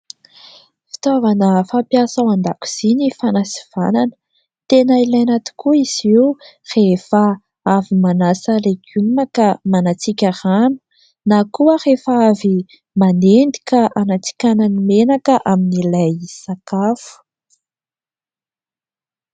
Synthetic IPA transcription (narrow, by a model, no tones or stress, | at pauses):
fi̥t̪ovanəfampjasawand̪akʲu̥z̥inifanasi̥v̥ananə̥ | t̪enailajanat̪i̥kuiz̥iur̥efə | avimanasəleɡʲumakamanat͡sikʲaranu̥ | nakuərefaavi | manend̪i̥kaʔanat͡si̥kʲananimenakəʔaminilajsakafu̥